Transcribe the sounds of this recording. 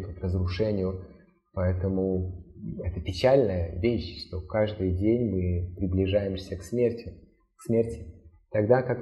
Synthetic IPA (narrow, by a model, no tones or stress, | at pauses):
k̪əkrəzɾʊʂɛnʲɪjʊ | pɐɛt̪əmʊ | ɛt̪əpʲɪt͡ɕalʲnəjəvʲeɕʂt̪o̞kaʐd̪ɨjdʲenʲmɨpɾʲɪblʲɪʐajɪmsʲəksmʲertʲɪ | ksmʲertʲɪ̥ | t̪ɐɡd̪akak